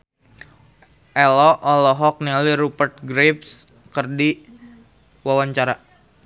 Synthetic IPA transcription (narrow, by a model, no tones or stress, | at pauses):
ʔɛlɔʔɔlɔɦɔk̚niliɾupərt̪̚ɡɾeps | kərdi | wawaɲt͡ʃaɾa